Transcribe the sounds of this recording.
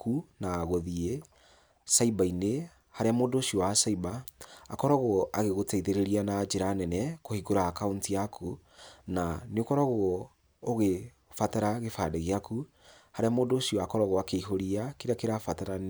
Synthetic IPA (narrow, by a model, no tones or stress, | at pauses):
kunaːɣoðie | saibaine | haɾeamoːdoːʃiɔwasaibaːkɔɾɔɣɔaɣeɣotɛiðeɾeɾianad͡ʒeɾaːnɛnɛkohiɡoɾakauntiakʰunaneokɔɾɔɣɔː | ɣe | fataɾaɣefadɛɣeaku | haɾeamoːdoːʃiɔakɔɾɔɣɔakeiɦoɾiakeɾakeɾafataɾa